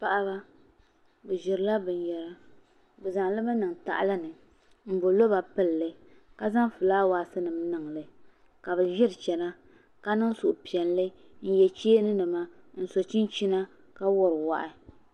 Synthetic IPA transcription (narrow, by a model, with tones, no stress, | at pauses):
pa˦ʔa˦ba˦ | bɨ˨ʒɪ˨ɾɨ˨˦la˦bɨ˨n˨jɛ˨la˦ | bɨ˨za˨ŋ˨lɨ˦bɨ˦nɨ˨ŋ˨ta̰˨ʔa̰˦la˦nɨ˨ | m̩˨bo˨lo˦ba˨pɨ˦lːɨ˦ka˦za˦ŋ˦fɨ˨laː˦waː˨˦˨sɨ˦nɨ˨m˦nɨ˨ŋlɨ˨ | ka˨bɨ˨ʒɪ˦ɾɨ˨t͡ʃɛ˨na˦ | ka˦nɨ˦ŋ˦su˨ʔʊ˨pi˨ɛ˨n˨lɨ˦ | n̩˦jɛ˨t͡ʃeː˦nɨ˦nɨ˨ma˦n̩˦so˨t͡ʃi˦n˦t͡ʃi˦na˦ | ka˦wɔ˦ɾɨ˨wa̰˨ʔɪ˦